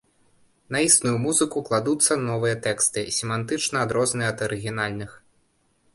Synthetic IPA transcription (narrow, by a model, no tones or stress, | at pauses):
nɐist̪nujumuzɨkuklˠad̪ut̪sːɐnɔvɨjɐt̪ɛkst̪ɨsʲɛmant̪ɨt͡ʂnɐːd̪ɾɔznɨjɐd̪ɐɾɨɣʲinalʲnɨx